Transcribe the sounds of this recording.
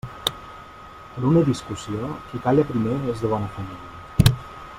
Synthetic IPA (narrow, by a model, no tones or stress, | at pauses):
pəɾunəðiskusiokikaʎəpɾimeezðəβ̞ɔnəfəmiliə